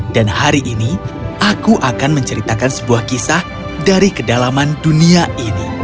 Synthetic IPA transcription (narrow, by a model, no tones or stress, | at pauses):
d̥anhaɾiʔiniʔakuʔakanməɲt͡ʃəɾit̪akansəbuahkisah | daɾikədalamanduniaʔini